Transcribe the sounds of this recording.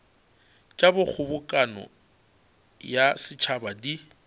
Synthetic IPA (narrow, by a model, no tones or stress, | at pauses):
t͡ʃʼabʊk͡xʰʊbʊkʼanɔ̰ | jasɪt͡ʃʰabadi